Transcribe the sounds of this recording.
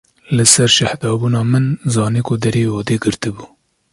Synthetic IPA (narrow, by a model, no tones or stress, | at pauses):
lɨsɛɾʃahd̪ɑːbuːnɑːmɨnzɑːniːkʰʊd̪ɛɾioːd̪eːɡɨɾt̪ɨbuː